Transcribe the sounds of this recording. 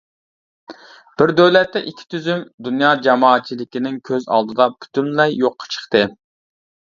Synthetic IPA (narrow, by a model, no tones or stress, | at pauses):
b̥ɪɾd̪øwlɛt̪ːɛʔikʲʰi̥t̪ʰyzymd̪unjɑːd͡ʒɑmɑːt̪̚t͡ʃʰilɪkʲinɪŋkʲʰøzɑ̰lˠd̪ɨd̪ɑpʰy̥t̪ʰynlɛjːoqʰːɑ̥t͡ʃʰə̥χt̪ɨ